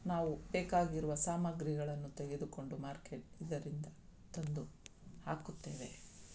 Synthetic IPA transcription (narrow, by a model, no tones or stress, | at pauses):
naːʋubeːkaːɡiɾuʋɐsaːmɐɡɾiɡɐɭɐnːut̪eɡe̞d̪uko̞ɳɖumaːɾkeʈ̚id̪ːɐɾind̪ɐt̪ond̪uhaːkut̪ːe̞ːʋe̞